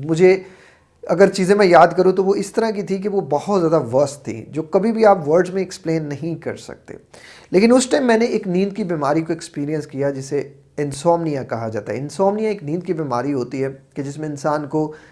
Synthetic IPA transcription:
mʊd͡ʒʱe | ɐ̰ɡəɾt͡ʃiːzẽmẽjaːd̪kɐɾũt̪oʋoɪst̪ɐɾak̬it̪ʰik̬eʋobɐhɔt̪zjaːd̪aʋɐst̪ʰːḭd͡ʒoːkɐbʱibʱiaːpʋɐɾɖzmẽɛkspleːnːɐɦĩkɐ̰ɾsɐ̰k̚t̪ḛːleːkɪ̃nʊsʈaːɪ̃mːɛ̃ːneʔeːknĩːnd̪kibiːmaːɾikoekspiːɾijə̃nskijad͡ʒɪse | ɪ̃nsɔːmnijãkɐɦad͡ʒa̰ːt̪a̰ɦɛ̰ɪnsɔːmnijãeːknĩːnd̪̚kibiːmaːɾiɦoːt̪iɦɛked͡ʒɪsmẽɪ̃nsaːnko

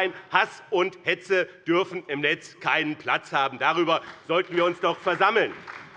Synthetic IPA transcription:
ɪnhasʊnthɛt͡səd̥ʏɐfn̩ɪmnɛt͡skʰaɪnənpʰl̥at͡shaːbm̩daʁyːbɐz̥ɔltn̩viːɐʊnsd̥ɔχfɛɐzaml̩n

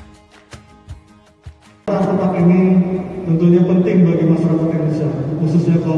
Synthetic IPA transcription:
ɾak̪at̪akinit̪ənt̪uɲapənt̪ɪŋbaɡimasaɾakat̪inisakususɲaka

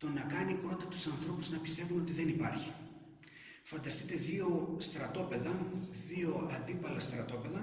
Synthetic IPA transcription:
t̪o̞nɐkɐnipɾo̞t̪ɐt̪u̥sɐnθɾo̞puznɐpist̪e̞vuno̞t̪iðenipɐɾçi | fɐnd̪ɐst̪it̪e̞ðio̞st̪ɾɐt̪o̞pe̞ðɐðio̞ɐnd̪ipɐlɐst̪ɾɐt̪o̞pe̞ðɐ

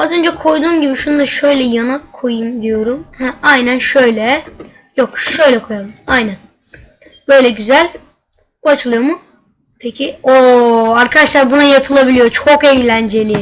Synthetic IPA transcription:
azø̞nd͡ʒɛkʰo̞jd̪uːmɟibiʃunud̪aʃø̞jlʲɛjanakʰːo̞jɯmd̪ijo̞ɾumhæajnænʃø̞jlʲɛ | jokʃø̞jlʲɛkʰo̞jalˠɯmajnæn | b̥ø̞jlʲɛɟyzælʲ | buat͡ʃʰɯlˠɯjo̞mu | pʰecʰioaɾkʰad̪aʃlˠaɾbunajat̪ʰɯlˠabilʲijot͡ʃʰokɛjlʲænd͡ʒe̞lʲi

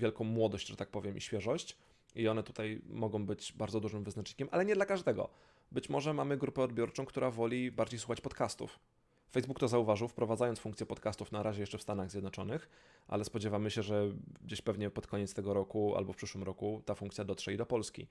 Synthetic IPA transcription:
vʲjɛlkɔ̃w̃mwɔd̪ɔɕd͡ʑʐɛt̪ak̚pɔvʲjɛmʔḭɕfʲjɛʐɔɕt͡ɕ | iɔnɛt̪u̥t̪ajmɔɡɔ̃w̃bɘd͡ʑbaɾdzɔd̪uʐɘmvɘznat͡ʂɲi̥kʲɛmʔalɛɲɛd̪lakaʐd̪ɛɡɔ̰ | bɘt͡ɕmɔʐɛmamɘɡɾupɛɔd̪̚bʲjɔɾt͡ʂɔ̃w̃kt̪uɾavɔlʲibaɾd͡ʑejswuxat͡ɕpɔt̪kast̪ṵf | fɛjzbuk̚t̪ɔzauvaʐɘwfpɾɔvad̪zajɔnsfuŋkt̪sʲjɛpɔt̪kast̪ufnaɾʔaʑɛjɛʂt͡ʂɛfst̪anaɣzʲjɛd̪nɔt͡ʂɔnɘx | ʔa̰lɛspɔd͡ʑɛvamɘɕɛʐɛɡd͡ʑeɕpɛvɲɛpɔt̪kʰɔɲɛt̪st̪ɛɡɔɾɔkua̰lbɔfpʂɘʂwɘmɾɔkut̪afuŋkt̪sʲjad̪ɔt̪ʂɛid̪ɔpɔlskʲḭ

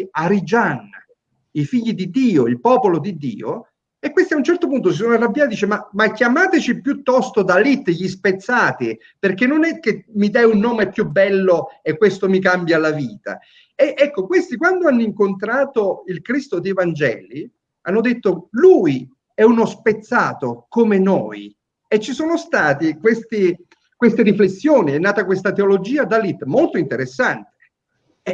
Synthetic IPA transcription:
aɾid͡ʒanːa | ifiʎːid̪id̪iːoilpɔːpolod̪id̪ːḭːo̰ | ekwest̪iaunt͡ʃɛrt̪opunt̪os̬isonoarːabːjat̪d̪iːt͡ʃemamakjamaːt̪et͡ʃipjut̪ːɔst̪od̪alit̪ːʎːispet̪sːaːt̪i | perkenːonɛkːemid̪ajunːoːmɛpːjubːɛlːoekːwest̪omik̬ambjalaviːt̪a̰ | eʔɛkːokwest̪ikwand̪oanːoiŋkont̪ɾaːt̪oilkɾist̪od̪eevand͡ʒɛ̰ːli | anːod̪et̪ːoluːj | ɛunospet̪sːaːt̪okomeno̰ːj | et͡ʃːisoːnost̪aːt̪ikwest̪i | kwest̪eɾiflesːjoːniɛnːaːt̪akwest̪at̪eolod͡ʒiːad̪alit̪molt̪oint̪eɾesːant̪e̥

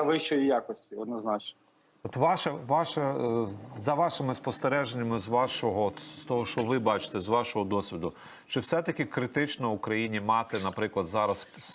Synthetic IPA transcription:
ʋɪʃt͡ʃɔjijakɔsʲtʲiɔd̪nɔznɑt͡ʃnɐ | ɔt̪ʋɑʃɐʋɑʃɐ | zɐʋɑʃɪmɪspɔst̪eɾɛʒenʲːɐmɪzʋɑʃɔɦɔt̪ɔɦɔʃɔʋɪbɑt͡ʃɪ̥t̪ɛzʋɑʃɔɦɔd̪ɔsʲʋʲid̪ʊ | ʃt͡ʃɔwsɛt̪ɐkʲɪkɾɪt̪ɪt͡ʃnɔʊkɾɐjinʲimɑt̪ɪnɐpɾɪklˠɐd̪zɑɾɐs

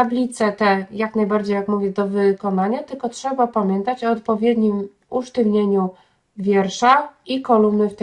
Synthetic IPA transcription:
ablʲit̪sɛt̪ɛjaknajbaɾd͡ʑejakmuvʲjɛd̪ɔvɘkɔnaɲat̪ɘlkɔtʂɛbapamʲjɛnt̪at͡ɕɔːt̪̚pɔvʲjɛd̪ɲim | uʂt̪ɘvɲeɲu | vʲjɛɾʂaikɔlumnɘft̪ɛ

